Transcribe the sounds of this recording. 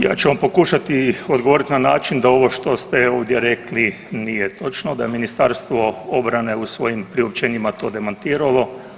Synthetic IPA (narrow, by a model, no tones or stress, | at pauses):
ja̰ːt͡ʃeampo̞kuːʃat̪iod̪ɡo̞ʋo̞ɾit̪inanaːt͡ʃind̪ao̞ʋo̞ʃt̪o̞st̪eoːʋd̪jeɾekli | nijet̪o̞t͡ʃnod̪ajeminist̪aɾst̪ʋo̞obɾane̞usʋo̞jimpɾiop̚t͡ʃeːɲimat̪o̞ːd̪emant̪iːɾalˠo̞